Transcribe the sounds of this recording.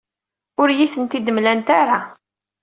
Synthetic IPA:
ʊɾjiθənt̪id̪əmlænt̪aɾa

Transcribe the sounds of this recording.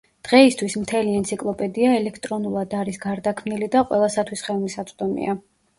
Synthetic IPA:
d̪̥ʁɛist̪ʰwismt̪ʰɛliɛnt̪sʰikʼlˠɔpʼɛd̪iaɛlɛkʰt̪ʼɾɔnulˠad̪aɾisɡaɾd̪akʰmnilid̪aqʼwɛ̰lˠasat̪ʰwisχɛlˠmisat̪sʼd̪ɔmḭa

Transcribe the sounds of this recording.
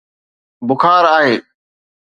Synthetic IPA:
bʊxʰaːɾaːɦeː

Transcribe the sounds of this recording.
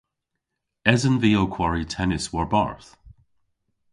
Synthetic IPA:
ɛzənviːokʰw̥aɹitʰɛnɪswɔɹba̰ɹθ

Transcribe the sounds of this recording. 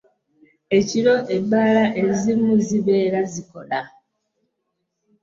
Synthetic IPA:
e̞ciɾo̞ʔebːaːlaʔe̞zimuziβeːɾaziko̞̰la

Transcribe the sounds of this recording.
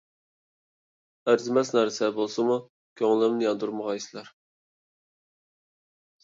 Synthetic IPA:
æɾzɪmɛsnæɾsɛbolˠsɨmu | kʲʰøŋlˠɪmnɪjɑnd̪uɾməʁɑisɪlɛɾ

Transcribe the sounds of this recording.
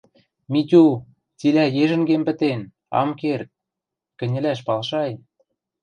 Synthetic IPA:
mit̪ʲu | t͡silæjeʒɘ̆nɡempə̆t̪en | ɑ̰mkert̪̚ | kɘ̆nʲɘ̆læʃ̬pɑlʃɑj

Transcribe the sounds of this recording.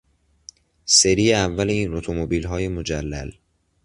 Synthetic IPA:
seɾiːjeævːæleiːnot̪ʰomobiːlɦɒːje̞mo̞d͡ʒælːæ̰l

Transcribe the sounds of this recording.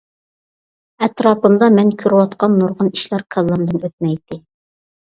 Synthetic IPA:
ɛt̪ɾɑːpɨmd̪ɑmɛnkʲʰøɾwɑt̪qɑnːuɾʁəniʃlˠɑɾkʰɑlˠːɑnd̪ɨnøt̪̚mɛjt̪ʰɪ

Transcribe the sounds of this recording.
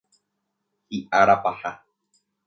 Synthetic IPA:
hiʔaɾapaha

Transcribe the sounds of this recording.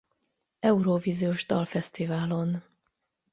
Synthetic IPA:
ɛuɾoviːzioʒd̪ɒlfɛst̪ivaːlo̞n

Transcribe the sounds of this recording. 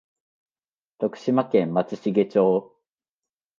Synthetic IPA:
t̪okɯ̟̥ɕimakẽmːat͡sɨɕiɡe̞t͡ɕoː

